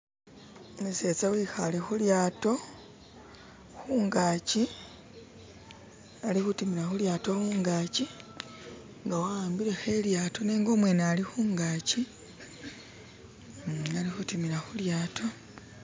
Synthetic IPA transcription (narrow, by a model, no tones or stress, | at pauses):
muse̞t͡sawixalixuljaːto̞ | xuːŋɡaːci | alixutimiɾaxuljaːto̞muːŋɡaːci | ŋɡawaːmbiɾe̞xe̞ljaːto̞neːŋɡo̞ːmwe̞nalixuːŋɡaːci | alixutimiɾaxuljaːtʰo̞